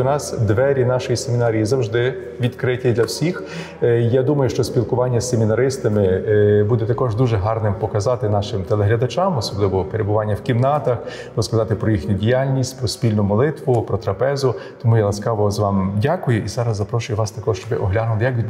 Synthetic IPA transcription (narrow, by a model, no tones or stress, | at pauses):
ɔnɑsd̪ʋɛɾʲinɑʃɔjisemʲinɑɾʲijizɐwʒd̪ɪ | ʋʲid̪kɾɪtʲid̪lʲɐwsʲix | jad̪umɐjʊʃt͡ʃɔsʲpʲilˠkʊʋɑnʲːɐsemʲinɐɾɪst̪ɐmɪbud̪ɛt̪ɐkɔʒd̪uʒɛɦɑrnɪmpɔkɐzɑt̪ɪnɑʃɪmt̪elˠɛɦlʲɐd̪ɐt͡ʃɑmɔsɔblˠɪʋɔpeɾebʊʋɑnʲːɐwkʲimnɑt̪ɐx | ɾɔskɐzɑt̪ɪpɾɔjixnʲʊdʲijalʲnʲisʲtʲpɾɔsʲpʲilʲnʊmɔlˠɪt̪ʋʊpɾɔt̪ɾɐpɛzʊt̪ɔmujalˠɐsʲkɑʋɔzʋɑmdʲakʊjʊʔizɑɾɐzːɐpɾɔʃʊjʊʋɑst̪ɐkɔʃt͡ʃɔbɪʔɔɦlʲanʊlˠɪjɐkʋʲi